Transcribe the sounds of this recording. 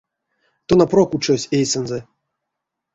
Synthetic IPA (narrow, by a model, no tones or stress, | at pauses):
t̪onaprokut͡ʃosʲejsɛnzɛ